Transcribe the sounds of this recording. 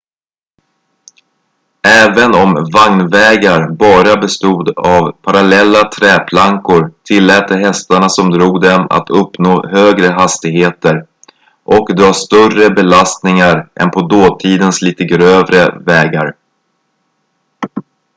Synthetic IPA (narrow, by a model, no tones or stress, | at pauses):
ɛːvənɔmvaŋnvɛːɡaɾbɑːɾabɛst̪uːd̪avpʰaɾalɛlːat̪ʰɾɛːpʰlaŋkʊɾt̪ʰɪlːɛːt̪ːəɦɛst̪aɳasɔmd̪ɾuːɡd̪ɛma̰t̪ʰɵpːnoːhøːɡɾəɦast̪ɪɡɦeːt̪əɾ | ʔɔkd̪ɾɑːst̪œrəbɛlast̪nɪŋaɾʔɛ̰npʰɔd̪oːt̪ʰiːd̪ənsliːt̪əɡɾøːvɾə̰vɛːɡaɾ